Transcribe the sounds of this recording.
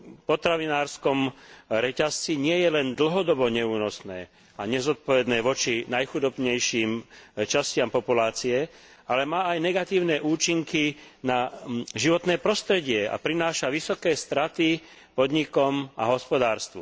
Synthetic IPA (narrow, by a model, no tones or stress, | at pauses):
pɔt̪ɾaʋinaːɾskɔmɾɛcast͡siɲɪɛjɛlɛnd̪l̩ɦɔd̪ɔbɔɲɛuːnɔsnɛː | aɲɛzɔt̪̚pɔʋɛd̪nɛːʋɔt͡ʃinajxud̪ɔbɲɛjʃiːmt͡ʃascɪampɔpulaːt͡siɛ | alɛmaːajnɛɡat̪iːʊnɛːʔuːt͡ʃiŋkinaʒiʋɔt̪nɛːpɾɔst̪ɾɛɟɪɛa̰pɾinaːʃaʋisɔkɛːst̪ɾat̪i | pɔd̪ɲikɔmaɦɔspɔd̪aːɾst̪ʋṵ